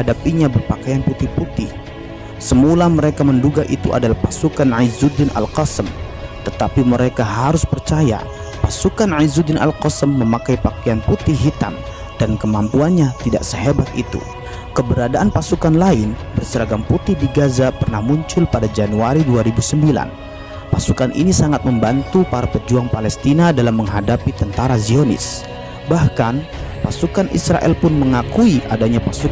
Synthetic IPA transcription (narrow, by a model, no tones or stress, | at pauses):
adapiɲabərpakajanput̪ɪhput̪ɪh | səmulaməɾekamənduɡaʔḭt̪uʔa̰dalahpasukanʕajzud̪ɪnʔa̰lqɔsəm | t̪ət̪apiməɾekaɦaɾʊspərt͡ʃaja̰ | pasukanʕaizud̪ɪnʔa̰lqɔsəmːəmakajpakajanput̪ɪhɦit̪a̰m | d̥ankəmampuanɲat̪ida̰ʔsəɦebat̪̚ʔḭt̪ṵ | kəbəɾadaʔanpasukanlaɪnbərsəɾaɡamput̪ɪhdiɡazapərnahmuɲt͡ʃʊlpadad͡ʒanuaɾiduaɾibusəmbila̰n | pasukanʔḭnisaŋat̪̚məmbant̪upaɾapəd͡ʒuaŋpalɛst̪inadalamːəŋɦadapit̪ənt̪aɾazionɪ̰s | bahkan | pasukanʔḭsɾa̰ʔɛ̰lpʊnməŋakuiʔa̰daɲapasu